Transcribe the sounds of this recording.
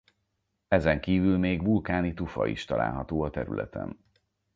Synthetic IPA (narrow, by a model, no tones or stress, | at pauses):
ɛzɛŋkiːvylmeːɡvulkaːnit̪ufɒ̰ḭʃt̪ɒla̰ːlɦɒt̪oːɒt̪ɛɾy̰lʔɛ̰t̪ɛ̰n